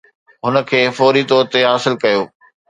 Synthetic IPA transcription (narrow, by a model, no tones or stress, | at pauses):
ɦʊnə̆kʰeːfɔːɾit̪ɔːɾət̪eɦaːsɪlkɐjoː